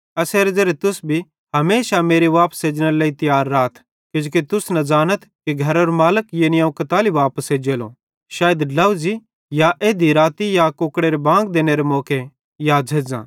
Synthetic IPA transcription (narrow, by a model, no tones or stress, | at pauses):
ɐseːɾed͡zɐɾet̪ʊsbʱi | ɦɐmeːsameːɾiʋaːpseːd͡ʒɽ̃əɾleːit̪ɐjaːɾːaːt̪ʰ | kɪd͡ʒoːkit̪ʊsnɐd͡ʒaːnət̪ʰkiɡʱɐɾoːɾmaːləkjeːnɪaːũkɐt̪aːliʋaːpəsed͡ʒeːlõ̰ | ʃaːjəd̪lɐʋʊzi | jaʔeːd̪iɾaːt̪ijakoːkɽeɾebãːŋɡd̪eːñeɾemɔːke | jaːd͡ʒʱeːd͡zã̰ː